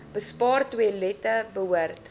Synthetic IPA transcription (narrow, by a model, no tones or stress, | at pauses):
b̥əspɑːrtwəlɛtəbəɦuərt